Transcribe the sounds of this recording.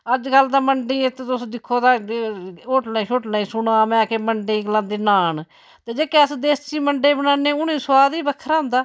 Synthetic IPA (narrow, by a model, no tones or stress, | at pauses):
əd͡ʒkəld̪aːməɳɖĩːet̪et̪ʊsd̪ɪkʰːoːd̪aː | oːʈnaːiːʃoːʈnãːiːsʊnãːmɛ̃ːkeːməɳɖẽːklãːnd̪iːnaːn | t̪eːd͡ʒeːkɛːəsd̪eːst͡ʃiːməɳɖeːbənaːneːʊnĩːswaːd̪iːbəkʰːəɾaːʊ̃nd̪aː